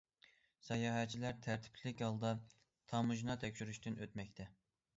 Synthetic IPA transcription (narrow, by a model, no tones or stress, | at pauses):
sɑjɑːɦɛt͡ʃʰilæɾt̪ʰæɾt̪ʰɪ̥pʰlɪkʲhɑlˠd̪ɑ | t̪ʰɑmuʒnɑt̪ʰɛkʲʃyɾyʃt̪ynøt̪mɛkʲt̪ʰɛ